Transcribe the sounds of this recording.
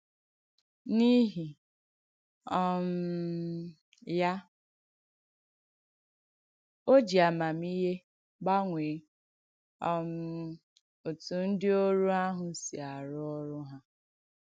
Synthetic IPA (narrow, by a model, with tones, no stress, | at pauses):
ni˦ɦi˨ | ɔ˦m̩˦ | ja˦ | o˦d͡ʒi˨a˨ma˨mi˦ɦe˦ | ɡ͡ba˦ŋʷe˨˦ | ɔ˦m̩˦ | o˨tu˨n̩˦dɪ˦o˦ɾu˦a˦ɦʊ˨si˨a˨ɾʊ˦ɔ˦ɾʊ˦ɦa˦